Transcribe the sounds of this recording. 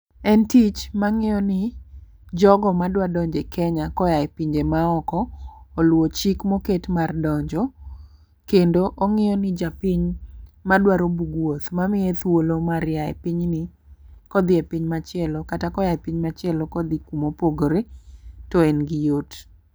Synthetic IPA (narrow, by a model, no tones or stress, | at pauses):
ɛntit͡ʃmaŋɪɔnɪ | d͡ʒɔɡɔmadwadɔɲd͡ʒekʰɛɲakɔjaɛpiɲd͡ʒemaɔkɔːlwot͡ʃikmoketmardɔɲd͡ʒɔ | kendoʔɔŋɪjɔnɪd͡ʒapiɲmadwaɾobuɡwot̪mamɪet̪wolomaɾjaɛ̰pɪɲnɪ | kɔd̪ɪɛpiɲmat͡ʃɪɛlɔkatakɔjajpiɲmat͡ʃɪɛlɔkɔd̪ikumopoɡɾetɔenɡɪjot